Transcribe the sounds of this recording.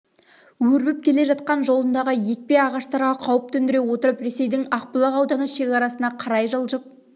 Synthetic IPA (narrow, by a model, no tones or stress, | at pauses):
wɵɾbɪp̚kʲʰe̞le̞ʒɑt̪̚qɑnʒo̞lˠənd̪ɑʁəje̞k̚pe̞ɑʁɑʃt̪ɑɾʁɑqʰɑwəp̚t̪ʰɵnd̪ɪɾe̞wo̞t̪əɾəpɾe̞se̞jd̪ɪŋɑq̚pəlˠɑʁɑwd̪ɑnəʃe̞kʲɑɾɑsənɑqʰɑɾɑjʒəlˠʒəp̚